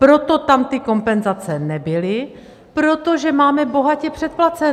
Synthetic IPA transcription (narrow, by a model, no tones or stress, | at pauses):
pɾot̪o̞t̪amt̪ɪko̞mpɛnzat͡sɛnɛbɪlɪ | pɾot̪oʒɛmaːmɛbo̞ɦacɛpr̝̥ɛt̪̚plat͡sɛ